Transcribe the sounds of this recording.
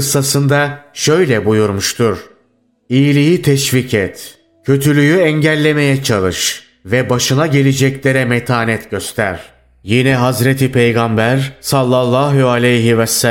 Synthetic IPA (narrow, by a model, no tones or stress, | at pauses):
ɯsːasɯnd̪aʃø̞jlʲɛbujuɾmuʃt̪ʰuɾ̥ | ijlʲijit̪ʰɛʃvicʰɛt̪ | cʰø̞t̪ʰylʲyjyɛɲɟælʲːe̞me̞jɛt͡ʃʰalˠɯʃ | vɛbaʃɯnaɟe̞lʲed͡ʒɛclʲe̞ɾɛmɛt̪ʰaːnɛt̪ɟøst̪ʰæ̰ɾ̥ | jinɛɦazɾet̪ʰipʰejɡambæɾsalˠːalˠːaɦualʲejɦivɛs